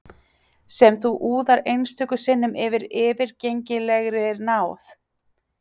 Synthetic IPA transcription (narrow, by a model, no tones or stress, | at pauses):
sɛmθuʔuːðaɾejnst̪ʰʏkʏsɪnːʏmʔɪvɪɾɪːvɪɾcejɲcɪlɛɣɾɪɾnaːwθ